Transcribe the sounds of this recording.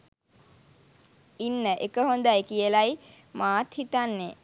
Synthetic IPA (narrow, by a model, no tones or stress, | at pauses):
inːəʔekəɦond̪ajkijəlaj | maːt̪hit̪anːe